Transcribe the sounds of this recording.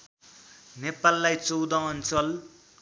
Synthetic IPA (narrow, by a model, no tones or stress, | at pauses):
nepalːajt͡sowd̪ʌ̃ʌnt͡sʌl